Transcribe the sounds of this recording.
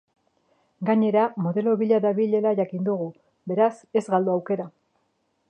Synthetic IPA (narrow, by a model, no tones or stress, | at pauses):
ɡaɲe̞ɾamo̞ðe̞lo̞βiʎaðaβiʎelaʝakind̪uɣ̞u | be̞ɾase̞zɣald̪oawke̞ɾa